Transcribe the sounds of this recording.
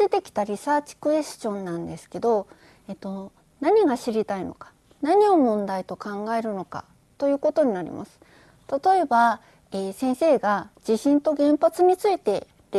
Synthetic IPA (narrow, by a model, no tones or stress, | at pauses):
e̞t̪e̞kʲi̥t̪aɾʲisaːt͡ɕi̥kɯ̟e̞sɕõ̞nːãnd̪e̞sɨ̥ke̞d̪o̞ | et̪o̞ | naɲ̟iɡaɕiɾʲit̪aino̞̰kḁ | naɲ̟io̞mõ̞nd̪ait̪o̞kãŋɡae̞ɾɯ̟no̞ka̰ | t̪o̞jɯ̟ːko̞t̪o̞ɲ̟inaɾʲḭma̰sɨ̥ | t̪at̪o̞e̞ba | eːsẽ̞ɰ̃se̞ːɡad͡ʑiɕĩnt̪o̞ɡẽ̞mpat͡sɨɲ̟it͡sɨit̪e̞ | ɾ